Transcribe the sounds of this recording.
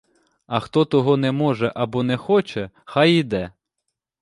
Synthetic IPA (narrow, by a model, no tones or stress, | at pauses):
ɐxt̪ɔt̪ɔɦɔnɛmɔʒɛʔɐbɔnɛxɔt͡ʃɛ | xajid̪ɛ